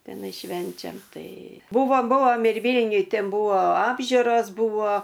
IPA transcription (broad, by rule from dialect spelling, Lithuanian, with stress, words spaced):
tʲɛˈnɐɪ ˈʃʲʋʲɛnʲt͡ʃʲɛm ˈtɐɪ ˈbʊʋoː ˈbʊʋoːm ɪr ˈʋʲiːlʲnʲʊj ˈtʲɛn ˈbʊʋoː ˈɑːbʲʒʲʊroːs ˈbʊʋoː